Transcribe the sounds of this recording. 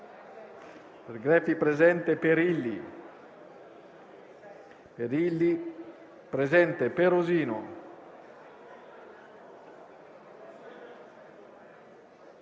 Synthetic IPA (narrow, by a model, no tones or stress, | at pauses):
peɾɡɾɛfipɾezɛnt̪epeɾilːi | peɾilːi | pɾezɛnt̪epeɾoziːno